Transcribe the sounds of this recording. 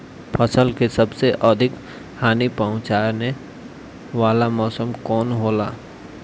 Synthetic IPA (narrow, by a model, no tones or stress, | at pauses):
pʰəsəlkesəbseʔəd̪ʱɪk | haːnipəʊ̃t͡ʃaːɾne | ʋaːlamɔːsəmkɔːnɦoːlaː